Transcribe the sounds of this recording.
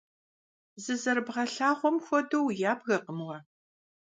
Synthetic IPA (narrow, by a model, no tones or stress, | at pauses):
zɨzɐɾbʁɐɬaːʁʷɔmxʷɔduwjaːbɣɐqəmwɐ